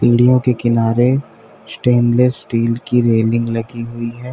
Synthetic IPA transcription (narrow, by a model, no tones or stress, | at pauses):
t̪iːɽijõkekɪnaːɾe | sʈeːnlessʈiːlkiɾeːlɪ̃ŋɡlɐɡiɦʊiɦɛː